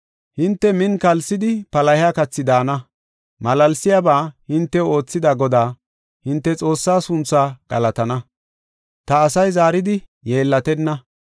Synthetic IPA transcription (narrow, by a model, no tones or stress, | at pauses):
hɪnt̪ːɛmɪnkɐlsɪd̪ɪpɐlɐhɪaːkɐt͡sːɪd̪aːnɐ | mɐlɐlsɪjabaːhɪnt̪ːɛo̞ːt͡sːɪd̪aɡɔd̪aː | hɪnt̪ːɛt͡sʼo̞ːsːaːsʊnt͡sːaːɡ̥ɐ̰lɐt̪ɐnɐ | t̪ɐːsɐjzaːɾɪd̪ɪje̞ːlːɐt̪ɛnːɐ